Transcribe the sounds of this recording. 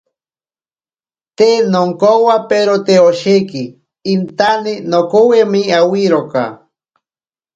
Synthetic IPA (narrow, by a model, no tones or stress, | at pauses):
t̪enoŋkowapeɾot̪eoʃekiː | nt̪aninokowemiawiɾoka̰